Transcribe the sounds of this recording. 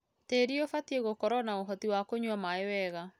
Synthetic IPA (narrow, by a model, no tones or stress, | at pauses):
teɾiofatieɣokɔɾɔnaoɦɔtiwakoɲwamaewɛɣa